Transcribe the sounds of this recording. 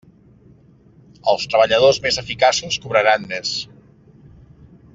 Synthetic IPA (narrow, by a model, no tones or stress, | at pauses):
əlˠst̪ɾəβəʎəð̞ozmezəfikasuskuβɾəɾanmes